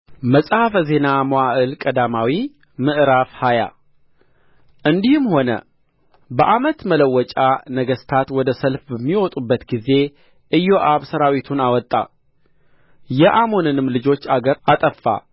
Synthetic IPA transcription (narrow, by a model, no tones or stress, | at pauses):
məsʼhafəze̞namowaʔɨlkʼəd̪amawi | mɨʔɾafhaja̰ | ʔɨnd̪ihɨmho̞nə̰ | bəʔamət̪mələwːɔt͡ʃʼanəɡəst̪ʰat̪wɔd̪əsəlfbəmːiwɔt̪ʼubːət̪ɡize̞ | ʔɨjːoʔaβsəɾawit̪ʰunawɔt̪ʼːa̰ | jɛʔamonɨnɨmlɨd͡ʒo̞t͡ʃːaɡəɾat̪ʼəfːa̰